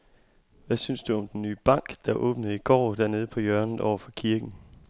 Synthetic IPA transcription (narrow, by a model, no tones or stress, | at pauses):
ʋæsynsd̥uɒ̽md̥enːy̰ːb̥ɑ̈ŋ̰ɡ̥d̥ɑ̈ʔɔ̰̽ːb̥nəð̩ˠiɡ̥ɒ̰ːd̥æɐne̝ːð̞̩ˠpʰɒ̽jœɐn̩ˠʔɒʊɐfɒ̽kʰiɐɡ̥n̩